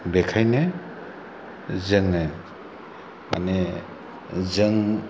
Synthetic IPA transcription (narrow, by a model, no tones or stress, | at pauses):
bekʰajne | zɯŋne | ma̰ne | zɯŋ